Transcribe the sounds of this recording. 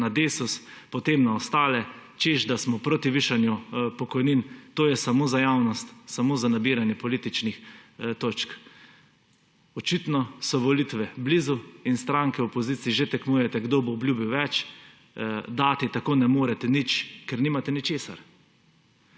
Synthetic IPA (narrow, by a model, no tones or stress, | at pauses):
nad̪eːsus | pɔt̪emnaɔst̪aːlɛt͡ʃeʒd̪asmɔpɾoːt̪iʋiːʃanjupɔkɔjnint̪oːjɛsamoːzajawnɔst̪samoːzanabiːɾanjɛpɔlit̪it͡ʃnixt̪oːt͡ʃk | ɔt͡ʃit̪nɔsɔʋɔlit̪ʋɛbliːzuinst̪ɾaŋkɛwɔpɔzit̪siːʒet̪ɛknuːjɛt̪ɛɡd̪oboːbljubiwʋɛt͡ʃ | d̪aːt̪it̪akoːnɛmoːɾɛt̪ɛnit͡ʃkɛɾnimat̪ɛnit͡ʃeːsa̰ɾ